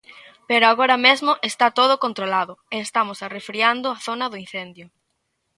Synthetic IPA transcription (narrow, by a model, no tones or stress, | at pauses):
peɾoaɣoɾɐmezmʊʔest̪at̪oðʊkont̪ɾolaðʊeːst̪amʊsarefɾiand̪ʊaθonɐðʊin̟θend̪jʊ